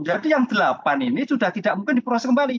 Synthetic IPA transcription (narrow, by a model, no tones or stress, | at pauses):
d͡ʒadijaŋdəlapaninisudaht̪idaʔmuŋkɪndipəɾaskəmbali